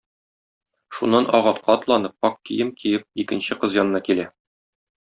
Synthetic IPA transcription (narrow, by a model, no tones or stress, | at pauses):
ʃunːɑnʔɒʁɑt̪̚qɑːt̪lˠɑnɤp̚ɒq̚kijɘmkijɘp̚ikɘ̆nɕɘqɤzjɒnɤ̆nɑkilæ